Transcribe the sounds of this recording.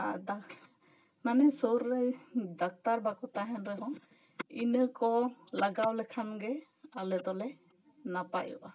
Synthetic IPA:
ada | manɛsɔwɾːəjd̪ak̚t̪aɾbakɔt̪aɦɛnɾɛɦɔ̃ | inəkɔlaɡawlɛkʰanɡɛ | alɛt̪ɔlɛ | napajṵʔa

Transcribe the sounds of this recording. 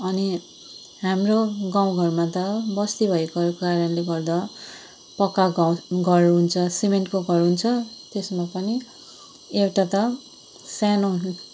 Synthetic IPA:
ʌni | ɦamroɡaw̃ɡʱʌrmat̪ʌbʌst̪ibʱʌekʌɾkokaɾʌnleɡʌrd̪ʌ | pʌkːaɡawɡʱʌrɦunt͡sʰʌsimeɳʈkoɡʱʌrɦunt͡sʰʌt̪esmapʌni | ewʈat̪ʌ | sano

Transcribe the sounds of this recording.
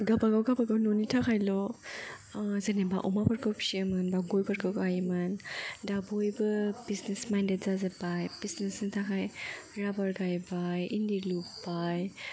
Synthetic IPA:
ɡabaɡawɡabaɡawnɔnitʰakʰajlɔ | zɯneba̰ʔumapaɾkʰawpsiəmɯnbaɡojpaɾkʰɯwkajmɯndabojbɯbiznesmajndet̚zazabajb̥isnesnɨtʰakʰajɾabaɾɡajbajindilubaj

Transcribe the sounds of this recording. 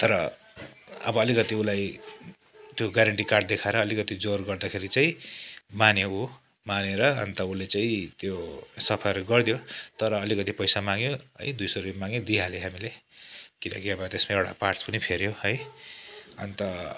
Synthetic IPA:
t̪ʌɾʌ | ʌ̰bʌːlikʌt̪iulaj | t̪joɡaɾaɳʈikarɖ̚d̪ekʰaeɾʌːlikʌt̪id͡zorɡʌrd̪akʰeɾit͡saĩmanjou | maneɾʌʌ̰nt̪ʌulet͡saĩt̪josʌpʰʌrɡʌrd̪jot̪ʌɾʌːlikʌt̪ipʌjsamaŋjoɦʌ̰jd̪ujsʌɾpimaŋjod̪iɦaleɦamilekilʌ̰kiʌbʌt̪esmaewɽa̰parspʌnipʰeɾjoɦʌj | ʌ̰nt̪ʌ

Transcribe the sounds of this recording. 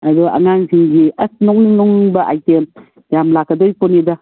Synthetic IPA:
ɐdɔa̰ŋansʰiŋɡiɐsnɔŋninɔŋbɐʔajtem | jamlakadojpɔnida

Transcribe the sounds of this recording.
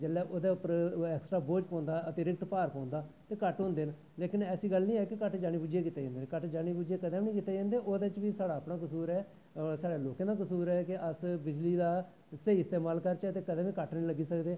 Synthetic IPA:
d͡ʒəlːɛːʔoːd̪eːʊpəɾɛːksʈɾaːboːd͡ʒpɔ̃ːnd̪aːət̪eːɾɪk̚t̪paːɾpɔ̃ːnd̪aː | t̪eːkəʈɦõːnd̪eːn | leːkɪnɛːsiːɡəlnĩːɛːkɪkəʈd͡ʒaːɽ̃niːbuːd͡ʒeːkit̪ːeːd͡ʒãːnd̪eːnkəʈd͡ʒaːɽ̃iːbuːd͡ʒeːkəd̪ẽːʋnĩːkɪt̪ːeːd͡ʒẽːnd̪eːʔoːd̪eːt͡ʃʋiːsaːɽaːpɳaːkəsuːɾɛː | saːɽeːloːkẽːd̪aːkəsuːɾɛːkɪəsbɪd͡ʒliːd̪aː | seiːɪst̪eːmaːlkəɾt͡ʃɛt̪eːkəd̪ẽːʋĩːkəʈnĩːləɡiːsəkd̪eː

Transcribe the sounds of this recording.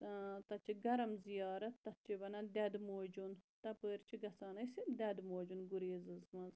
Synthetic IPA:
t̪ɐt͡ʃʰiɡɐɾɐmzijɑːɾɐt̪ːɐt̪̚t͡ʃʰibɐnɐd̪ɐd̪moːd͡ʒunt̪ɐpəːɾt͡ʃʰiɡɐsaːnɐsind̪ʲɐd̪moːd͡ʒunɡuɾeːzɨzmɐz

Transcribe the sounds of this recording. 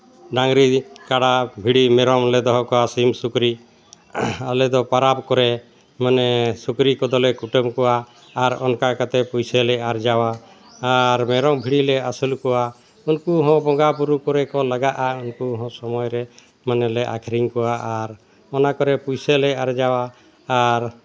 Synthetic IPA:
ɖaŋɾikaɽabʱiɽimɛɾɔmlɛd̪ɔɦɔ̃kɔasimsukɾi | alɛd̪ɔpaɾapkɔɾɛ | manɛsukɾikɔd̪ɔlɛkuʈəmkɔwaː | ɾɔ̰nkakat̪ɛpujsɛlɛaɾd͡ʒawaː | ɾmɛɾɔŋbʱiɽilɛasulkɔwa | unkuɦɔ̃bɔɡapuɾukɔɾɛkɔlaɡaʔaunkuɦɔ̃sɔmɔjɾɛ | manɛlɛʔa̰kʰɾiŋkɔwaʔaɾ | ɔnakɔɾɛpujselɛaɾd͡ʒawaː | ɾ

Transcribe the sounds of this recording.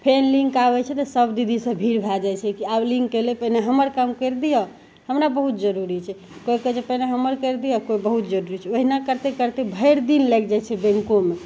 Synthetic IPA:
pʰenlĩŋkaβɛt͡ʃʰɛt̪əsəbd̪id̪ʱisə̃bʱiɾbʱad͡ʒajt͡ʃʰɛkiabliŋkːelepəɦineɦəməɾkamkəɾd̪ijɔ | həmɾabəɦut̪d͡ʒəɾuɾit͡ʃʰɛ | kojket͡ʃepəɦneɦəməɾkəɾd̪ijɔkojbəɦut̪̚d͡ʒəɾuɾit͡ʃʰɛoɦinakəɾt̪ekəɾt̪ebʱəɾd̪inlɛk̚d͡ʒat͡ʃʰɛbɛ̃ŋkome

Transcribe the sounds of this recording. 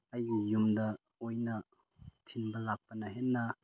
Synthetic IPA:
ɐjːumdɐ | ojnɐ | tʰinbɐlak̚pɐnɐɦenːɐ

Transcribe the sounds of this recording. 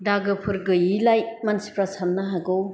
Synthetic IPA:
daɡɯpʰɯɾɡɯjilajmansi̥pɾasannaɦaɡɯw

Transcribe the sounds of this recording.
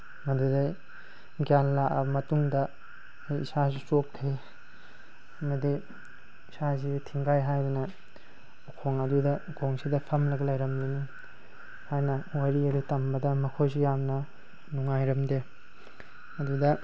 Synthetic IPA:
mɐduda | ɡjanlaʔɐmɐtuŋdɐ | jḭsazisop̚kʰej | ɐmɐdiː | sazitʰiŋɡajɦajbɐnɐ | ukʰoŋɐdudɐukʰoŋsidɐpʰɐmlɐɡɐlɐjɾɐmleni | hajnɐwaɾiɐɾitɐmbɐdɐmɐkʰojsijamnɐ | nuŋajɾɐmde | ɐdudɐ

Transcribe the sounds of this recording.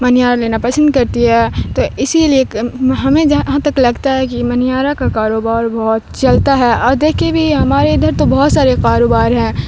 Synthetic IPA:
mɐnijaːɾleːnapɐsə̃nd̪kɐɾt̪iɦɛːt̪oːɪsilieɦɐmẽd͡ʒɐɦãt̪ɐklɐɡt̪aɦɛkimɐnijaːɾakakaːɾoːbaːɾbɔɦt̪t͡ʃɐlt̪aɦɛʔɔːɾd̪eːkʰebʱiɦɐmaːɾeɪd̪ʱəɾt̪obɔɦɔt̪saːɾekaːɾoːbaːɾɦɛ̃ː

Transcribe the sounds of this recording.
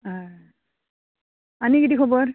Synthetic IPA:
a | aniɡidikʰɔbɔɹ

